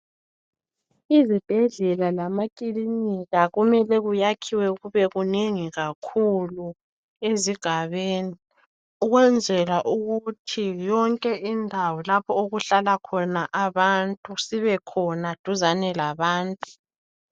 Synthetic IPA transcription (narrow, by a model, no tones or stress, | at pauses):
izib̥ʱɛɮɛlalamakʼiliniɣaɣumɛlɛɣujakʰiwɛɣuβɛɣuneŋiɣakʰulu | eziɡ̥ʱaβeːni | uɣwɛnd͡zʱɛlaʔuɣutʰijɔŋkʼɛindʱawɔlapʰɔoɣuɬalakʰɔnaʔaβantʼusiβɛkʰɔnad̥ʱuzanɛlaβaːntʼu